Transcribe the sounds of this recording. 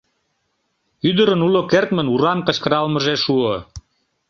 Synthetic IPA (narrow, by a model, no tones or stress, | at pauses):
yd̪əɾənulokert̪mə̆nuɾɑmkəɕkəɾɑlmə̆ʒeʃuə